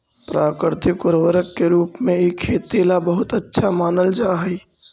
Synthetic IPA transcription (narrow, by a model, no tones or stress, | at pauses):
pɾaːkəɾt̪ʰikoɾʋəɾəkːeɾuːpmeikʰet̪elabəɦut̪ətːʃʰamaːnəld͡ʒaɦəj